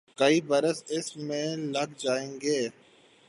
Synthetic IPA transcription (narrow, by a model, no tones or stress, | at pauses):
kɐibɐɾəsɪsmẽlɐkd͡ʒaːẽːŋɡeː